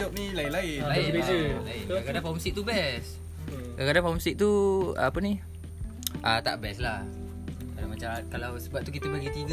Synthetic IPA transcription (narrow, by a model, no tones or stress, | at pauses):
ɔp̚nilaɪʔlaɪaɪeəlaɪʔkakadaŋfaumsiʔ̚t̪ubɛs | akadaŋfaumsiʔ̚t̪ṵpəni | ʔat̪a̰ʔbɛslah | kadaŋmat͡ʃakalawsəbap̚t̪uk̬it̪əbəɡit̪iɡ